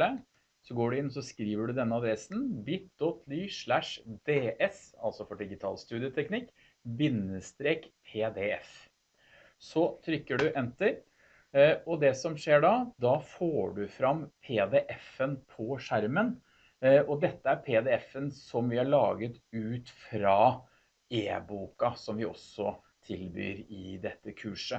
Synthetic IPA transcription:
ə | sɔɡoːɖʉɪnːɔs̬ɔskɾiːʋəɖʉd̪ɛnːəɑd̪ɾɛsn̩bɪt̪̚d̪ɔt̪ʰlyːʂɭæʂd̪eːʔɛsɑ̰lsɔfɔɖɪɡɪt̪ʰɑ̰ːlst̪ʉːd̪ɪət̪ʰɛknɪkː | bɪnːəst̪ɾeːkpʰeːd̪eɛf | sɔt̪ʰɾʏkːəɖʉʔɛnt̪əɾ | ɔd̪ɛsɔmʂeːɖɑd̪ɑfoːɖʉfɾɑmːpʰeːd̪eːʔɛfənpʰɔʂæɾmən | ɔd̪ɛt̪ːəæɾpʰeːd̪ɛːɛfənsɔmʋɪhæɭɑːɡət̪ʉːt̪fɾɑː | eːbuːkɑsɔmʋɪɔ̰sɔ | t̪ʰɪlby̰ːɾɪd̪ɛt̪ːəkʰʉːʂə

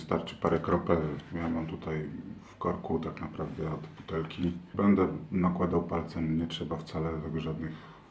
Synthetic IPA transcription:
st̪aɾt͡ʂɘ̥paɾɛkɾɔpɛjamamt̪ut̪ajfkɔɾkut̪aknapɾavd̪ɛɔd̪but̪ɛlkʲibɛnd̪ɛnakwad̪awpalt̪sɛɲɛtʂɛbaft̪salɛɡʐad̪nɘx

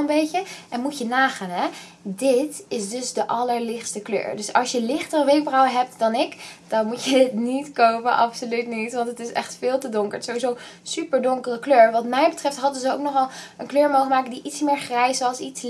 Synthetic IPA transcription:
əmbejcəʔɛnmujənaːχaːnɦɛ | dɪtɪsdɵsdəʔɑləɹlɪχstəklø̰ːɹdɵsɑ̰lˠsjəlɪχtərəʋejk̚brɔwəɦɛp̚tdɑnɪkd̥ɑnmucədɪtnitkowpə̰nʔɑpsolytnitʋɑntətɪsɛ̰χtfɪːlˠtədʊŋkəɹsowʋizow | sypəɹdʊŋkərəkløːɹʋɑtmɛjbətrɛftɦɑdəzəoʊwknɔχɑlˠənkløːɹmowχəmaːkəndiʔitsmɪːɹχrɛjsəɑlˠsits

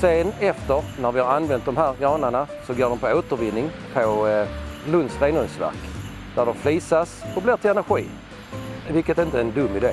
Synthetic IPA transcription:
seːnɛft̪əɾnæɾvɪhaɾanvɛnt̪̚d̪ɔmɦæːɾɡɾɑːnəɳasɔɡoːɖɔmpʰɔoːt̪əɾvɪnːɪŋpʰɔ | lɵnd̪sɾeːnɵnsvæ̰ɾk | d̪̥æɖɔmfliːsasɔblɪːʈ̪ʰɪlɛnæɾɧḭː | vɪlkət̪ɛɪnt̪əɛnd̪ɵmːɪd̪eː

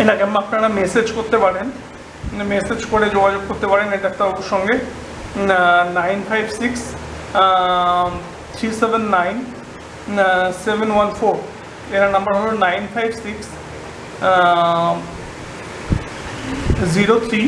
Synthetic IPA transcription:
eʈakamapnaɽamesed͡ʑkoɾt̪epaɽen | mesed͡ʑkoɾed͡ʑoɡad͡ʑoɡ̚koɾt̪epaɾeneɖaɛk̚t̪aɾot̪oʃɔŋɡe | najnfʰajbsiks | t̪ʰɾisebenːajn | sebenwanfoɾ | eɾanɐmbaɾɦolonajnfajbsiks | ziɾot̪ʰɾi

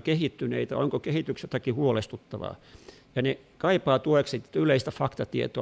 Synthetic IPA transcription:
kehit̪ːynḛit̪æ̰oŋkokehit̪yksjot̪ɑkihuolest̪ut̪ːɑʋɑ̰ː | jɑne | kɑipɑːt̪ueksit̪yleist̪æfɑkt̪ɑt̪iḛt̪o̰

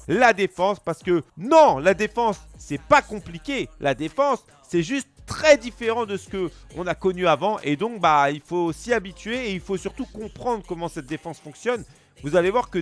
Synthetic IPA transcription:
lad̪efɑ̃spaʁsə̥kənɔ̃lad̪efɑ̃sːɛpakɔ̃plikʲelad̪efɑ̃sː | ɛʒyst̪ːχɛd̪ifeʁɑ̃d̪əsə̥kəɔ̃nakɔnyavɑ̃ʔed̪ɔ̃kbailfosiabit̪ɥeːilfosyʁt̪ukɔ̃pχɑ̃d̪ʁəkɔmɑ̃sɛt̪̚d̪efɑ̃sfɔ̃ksjɔn | vuzalevwaʁkə

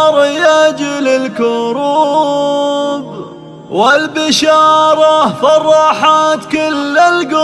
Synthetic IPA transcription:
ɾˤjad͡ʒɪlɪlkʊɾuː | b | wɪlbɪʃɑːɾˤɑfɑrˤːɑħat̪kʊlːɪlɡʊ

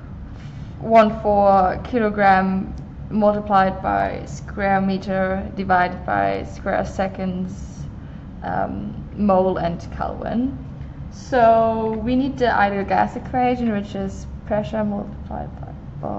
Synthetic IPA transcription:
wʌ̃nfɔɹkʰɪlˠoɡɹæ̃mː | ʌlˠtəpʰl̥aɪd̚ba̰ɪskʰwɛɹmiɾə˞dɨvaɪɾɨd̚ba̰ɪskwɛ̰ɹsɛkɨ̃nz̥ | ʔʌ̰mmoʊlˠɨ̃nkʰʌ̰lˠwɪ̰̃n | soʊwinid̚tɨʔa̰ɪɾilˠɡæ̰sɨkʰw̥eɪʒɨ̃nwɨt͡ʃɪz̥pʰɹ̥ɛʃə˞mʌlˠtə̥pʰl̥a̰ɪd̚baɪ | ba̰

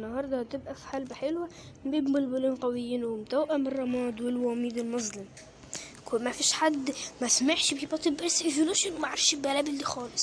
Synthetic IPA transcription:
nːɑhɑɾˤd̪ˤɑhæt̪ɪbʔæfi̥ħalbħelwæ | bibmɪlbʊliːnqæwejːiːnwɪmt̪æwʔæmɪrˤːɑmɑːd̪wɪlwæmiːd̪ɪlmʊzlɪm | kmæfiːʃħad̪ːmæsmaħʃbibæt̪ˤebʔæsʔeʒuluʃɪnwmaʕaɾɪfʃibælæbɪlːixɑːlɪsˤ

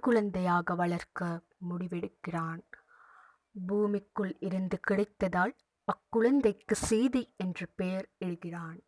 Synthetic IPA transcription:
kːʊɭɐnd̪ɐjaːɣɐʋɐɭɐɾkɐ | mʊɽɪʋɛɽɯkːɪraːn | buːmɪkːɯɭɪɾɯnd̪ɯkɪɽɐɪt̪ːɐðaːl | ɐkːʊɭɐnd̪ɐɪkːɯsɛjðiɛndrɯpeːɾɛɻɯɣɪraːn

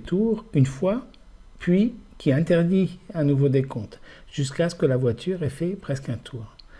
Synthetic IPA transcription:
t̪ʰuʁynfwa | pɥikʲiɛ̃t̪ɛʁd̪iɛ̃nuvod̪ekɔ̃t̪ʒ̥yskasə̥kəlavwat̪ʰyʁɛfɛpχɛskɛ̃t̪ʰuːʁ

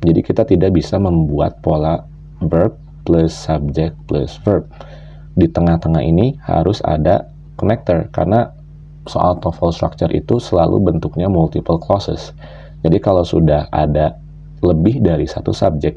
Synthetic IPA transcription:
d͡ʒadikit̪at̪idaʔbisaməmbua̰t̪̚pola | vərp̚ː | ləsːab̚d͡ʒɛk̚pləsvərb̚ | dit̪əŋaht̪əŋahḭniha̰ɾʊsa̰da | konɛk̚t̪ərka̰rna | so̰ʔa̰lt̪ɔfəlst̪ɾa̰k̚t͡ʃərʔḭt̪usəlalʔṵbənt̪uk̚ɲamult̪ipəlklɔsə̰s | d͡ʒadikalawsudaha̰da | ləbɪhdaɾisat̪ṵsab̚d͡ʒɛk̚

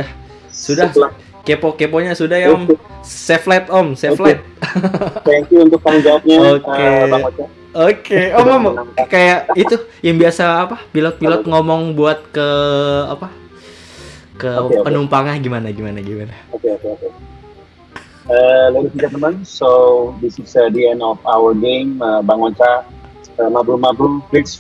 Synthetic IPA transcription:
a | sudah | kepokepoɲasudahjamsɛflɛt̪ɔmseflɛt̪̚ | t̪ɛŋkjuunt̪ʊk̚ːaŋd͡ʒawap̚ɲaokəeaaa | okeɔmamokajaʔit̪ujaŋbiasaːpapilɔt̪̚pilɔt̪̚ŋomɔŋbuat̪̚kəa̰pa | kəeopənumpaŋaɡimanaɡimanaɡimanaokeokeokeoke | əleɾikid͡ʒat̪əmansodisiksədiɛnɔfawəɾɡeməbaŋot͡ʃa | əmabɾumabɾubɾɪks

